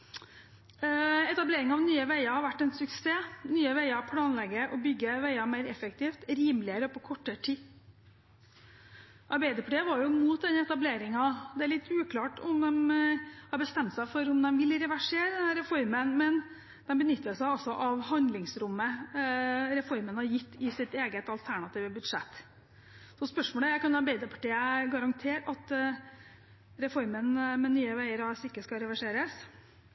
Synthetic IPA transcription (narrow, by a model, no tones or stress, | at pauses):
ɛt̪ɑbleːɾɪŋɑɑʋnyːəʋæɪɑhɑɾʋæʈːɛnsʉkseːnyːəʋæɪɑpʰlɑːnlɛɡəʔɔbʏɡːəʋæɪɑmæɪɾɛfək̚t̪ʰiːft̪ɾiːmlɪəɾəɔpʰɔkʰɔʈːəʈʰiː | ʔɑɾbæɪd̪əpʰɽeːʋɑɾjʊmuːt̪̚d̪ɛnɛt̪ɑbleːɾɪŋɑd̪ɛæɭɪt̪ːʉːkʰlɑːʈʊmd̪ɛmhɑɾbəst̪ɛmt̪sæɪfɔɾʊmd̪ɛmʋɪlɾɛʋæʂeːɾd̪ɛnhæɾɛfɔɾmənmɛn | d̪ɛmbənʏt̪ːəsæɪɔsɔʔɑʋhɑnd̪lɪŋsɾʊmːə | ɾɛfɔɾmənhɑɾjɪt̪ːɪsɪt̪eːɡət̪ɑlt̪ʰæɳɑt̪iːʋəbʉd̪ʂɛt̪ː | sɔspœʂmoːləækɑnd̪ɛbæɪd̪əpʰɑ̥ʈiːəɡɑɾɑŋt̪ʰeːɾɑt̪ | ɾɛfɔɾmənmɛnyːəʋæɪəɾɑsɪkːəskɑɾɛʋæʂeːɾəs